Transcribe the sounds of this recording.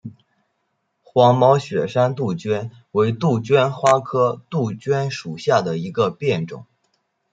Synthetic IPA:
xwɑ˧˥ŋmɑ˧˥ʊɕɥɛ˨˩ʂa˥nt̪u˥˩t͡ɕɥɛ˥n | we˧˥ɪt̪u˥˩t͡ɕɥɛ˥nxwa˥kʰɤ˥t̪u˥˩t͡ɕɥɛ˥nʂu˨˩ɕja˥˩d̪ə˩i˧˥ɡə˧pjɛ˥˩nʈ͡ʂʊ̰˨˩˦ŋ

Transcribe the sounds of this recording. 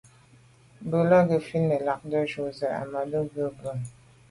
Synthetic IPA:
bə˨la˦ɡə˨fi˦nmə˨la˨k̚də˦ʃo˨zə˨a̰˨ma˨də˦ɡə˦bo˦˨n

